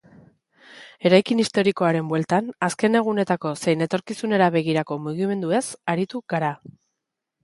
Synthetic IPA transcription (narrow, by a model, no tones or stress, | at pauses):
e̞ɾajkinist̪o̞ɾiko̞aɾe̞mbwe̞lt̪anaske̞ne̞ɣ̞une̞t̪ako̞se̞jne̞t̪o̞ɾkisune̞ɾaβe̞ɣ̞iɾako̞muɣ̞ime̞nd̪ue̞saɾit̪uɣaɾa